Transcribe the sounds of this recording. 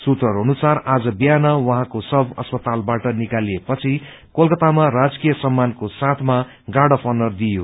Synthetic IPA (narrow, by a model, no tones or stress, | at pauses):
sut̪ʌɾɦonusarad͡zʌbjanʌwʌɦãkosʌbʌ̰spʌt̪albaʈʌnikaliepʌt͡sʰi | kolkʌt̪amarad͡zkijʌsʌmːankosat̪ʰma | ɡaɽʌpʰʌnʌrd̪ijo